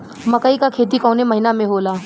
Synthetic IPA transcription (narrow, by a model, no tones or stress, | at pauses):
mɐkaikakʰeːt̪̬ikɔːneməɦinamẽɦoːlaː